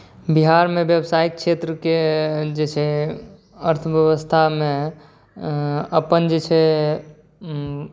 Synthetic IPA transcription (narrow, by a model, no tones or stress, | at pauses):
biɦaɾmebjebsaik̚ʃet̪ɾəked͡ʒet͡ʃʰɛ | əɾt̪ʰəʋjəʋəst̪ʰamẽ | əpənd͡ʒet͡ʃʰɛ